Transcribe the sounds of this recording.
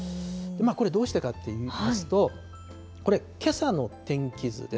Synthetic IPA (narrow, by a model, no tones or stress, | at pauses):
d̪̥e̞maːko̞ɾe̞d̪o̞ːɕi̥t̪ekat̪ʰːe̞jiːasɨ̥t̪o̞ | ko̞ɾe̞kʰe̞sano̞t̪ẽ̞ŋkʲizɨ̰d̪e